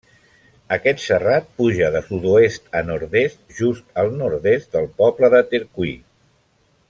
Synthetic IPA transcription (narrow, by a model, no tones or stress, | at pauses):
əkɛt̪sərat̪̚puʒəðəsud̪uest̪ənɔɾðest̪̚ʒ̥ust̪əlˠnɔɾðest̪d̪əlˠpɔpləðət̪eɾkui